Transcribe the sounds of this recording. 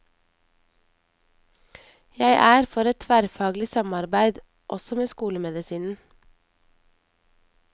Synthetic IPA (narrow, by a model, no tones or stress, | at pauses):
jæɪʔæːɾfɔɾɛt̪ʰʋæɾfɑːɡlɪsɑmɑɾbæɪd̪ | ʔɔsɔmeːskuːləmɛd̪ɪsiːnn̩